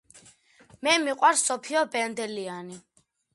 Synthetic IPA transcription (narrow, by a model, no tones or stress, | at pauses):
mɛmiqʼwaɾsːɔpʰiɔbɛnd̪ɛliani